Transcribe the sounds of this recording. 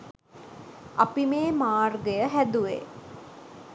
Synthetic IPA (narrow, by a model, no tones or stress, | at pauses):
apimeːmaːrɡəjəɦæd̪uʋḛ